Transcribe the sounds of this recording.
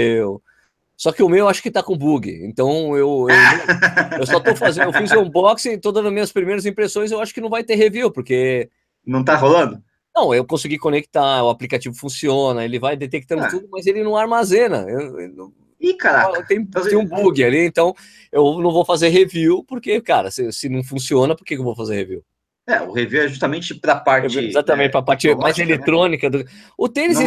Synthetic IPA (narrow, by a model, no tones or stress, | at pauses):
ew | sɔkɪʊmewewaʃʊ̥kɪt̪akõbuɡɪ̰ḛ̃nt̪ɐ̃w̃ewew | ewsɔt̪owfazẽewfiz̃ũbɔksẽt̪od̪ɐ̃nd̪ʊmĩɲɐspɾimejɾɐzĩpɾesõj̃z̬ewaʃʊ̥kɪnɐ̃w̃vajt̪eɦeviwpoɾke | nɐ̃w̃t̪aɦolɐ̃nd̪ʊ | nɐ̃w̃ewkõsɪɡikõnekt̪aɾʊaplikat͡ʃivʊfũsiõnɐelɪvajd̪et̪ek̚t̪ɐ̃nd̪ʊt̪ud̪ʊmɐzelɪnɐ̃w̃aɾmazẽnɐ̰ew̰ñ | ikaɾakɐt̪ẽj̃t̪ẽj̃ũbuɡɪaliẽnt̪ɐ̃w̃ | ewnɐ̃w̃vowfazeɾɦeviwpoɾkekaɾɐsɪsɪnɐ̃w̃fũsiõnɐpoɾkekewvowfazeɾheviw | ɛʊ̰heviwɛʒust̪ɐmẽt͡ʃɪpɾɐpaɾet͡ʃɪezat̪ɐmẽt͡ʃɪpɾɐpaɾt͡ʃɪmajzelet̪ɾõnikɐd̪ʊkʊt̪elis